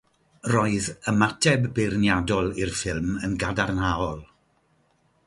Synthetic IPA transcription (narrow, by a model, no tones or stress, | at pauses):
rɔɨðəmatʰɛbːɪrnjadɔlˠɪrfɪlˠmənɡadarnaɔlˠ